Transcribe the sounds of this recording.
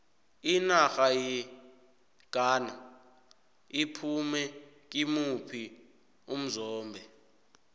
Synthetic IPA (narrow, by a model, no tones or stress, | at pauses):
inaxaji | ɡ̥ʱaːna | ipʰumɛ | k̬ʼimupʰi | um̩zɔːmbʱɛ